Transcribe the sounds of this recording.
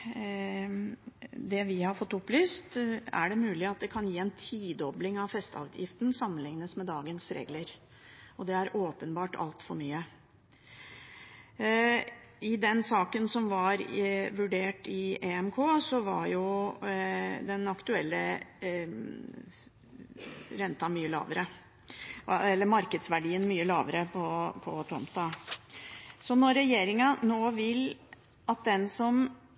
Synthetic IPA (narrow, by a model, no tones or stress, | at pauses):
d̪ɛʋɪhɑɾfɔt̪ːʊplyːst̪æ̰ɖɛmʉːlɪɑt̪̚d̪ɛkʰɑnjiːɛnt̪ʰiːd̪ɔblɪŋɑʋfɛst̪ɑ̰ːʋd̪ʰjɪ̰ft̪n̩sɑmːənlɪŋnəsmɛd̪ɑːɡənsɾḛːɡləɾ | ɔd̪ɛæɾoːpənbɑːʈʰɑ̰lt̪fɔɾmyːə | ɪd̪ɛnsɑːkənsɔmʋɑɾʋʉɖeːʈɪɛɛmkʰoːsɔʋɑ̰ɾjʊ | d̪ɛnɑkt̪ʉɛlːə | ɾɛnt̪ɑmyːəlɑ̰ːʋəɾə | ɛlːəɾmɑɾkəd̪sʋæɖiːənmyːəlɑːʋəɾəpʰɔpʰɔt̪ʰɾɔ̰mt̪ɑ | sɔnɔɾɛjeːɾɪŋɑnoːʋɪl | ʔɑt̪̚d̪ɛnsɔm